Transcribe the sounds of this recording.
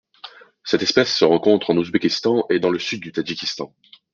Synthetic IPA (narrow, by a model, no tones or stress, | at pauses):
sɛt̪ɛspɛsːəʁɑ̃kɔ̃t̪χɑ̃nuzbekʲist̪ɑ̃ʔed̪ɑ̃ləsyd̪ːyt̪ad͡ʒikʲist̪ɑ̃